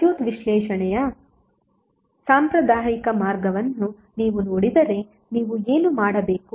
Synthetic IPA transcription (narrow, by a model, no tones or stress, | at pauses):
juːt̪ʋiʃlɛːʃɐɳɛjɐ | saːmpɾɐd̪aːjikɐmaːɾɡɐʋɐnːu | niːʋunoːɽid̪ɐɾe̞ | niːʋueːnumaːɽɐbeːku